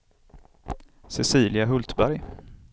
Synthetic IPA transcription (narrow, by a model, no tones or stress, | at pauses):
sɛsiːlɪaɦɵlt̪bæɾj